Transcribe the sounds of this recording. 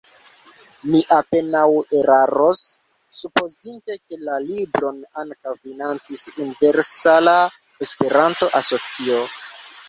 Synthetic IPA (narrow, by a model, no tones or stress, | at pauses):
miʔape̞naweɾaɾo̞sː | upo̞zinte̞ke̞lalibɾo̞naŋkawfinant͡sisunive̞ɾsala | espe̞ɾanto̞ʔaso̞t͡sio